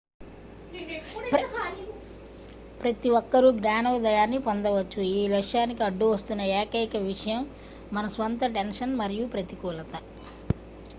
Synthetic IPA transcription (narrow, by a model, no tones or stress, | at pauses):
pɾɐt̪iʋɔkːɐɾuɡɾaːnɐʋid̪ɐjaːnːipond̪ɐʋɐt͡ʃːuiːlɐkʂaːnikiɐɖːuʋɐst̪unːɐɛːkɐkɐʋiʂɐjɐmː | ɐnɐsʋɐnt̪ɐʈenʂɐnmɐɾijupɾɐt̪ikuːlɐt̪ɐ